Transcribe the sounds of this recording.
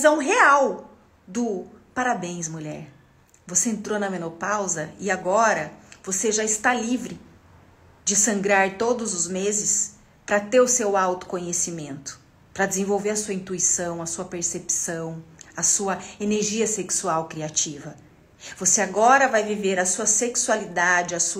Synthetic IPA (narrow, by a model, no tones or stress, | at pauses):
mɐzɛũɦeaw | d̪ʊpaɾabẽj̃smuʎɛɾ | voseẽnt̪ɾonɐmẽnopawzɐɪaɡɔɾɐvoseʒaɪst̪alivɾɪ | d͡ʒɪsɐ̃ŋɡɾaɾt̪od̪ʊzʊzmezɪs | pɾɐt̪eɾʊsewawt̪ʊ̥kõɲesimẽnt̪ʊ̥ | pɾɐd͡ʒɪzẽvowveɾɐsuɐĩnt̪uisɐ̃w̃ɐsuɐpeɾsepi̥sɐ̃w̃ɐsuɐeneɾʒiɐseksuawkɾiat͡ʃivɐ | voseaɡɔɾɐvajviveɾɐsuɐseksualid̪ad͡ʒɪɐsu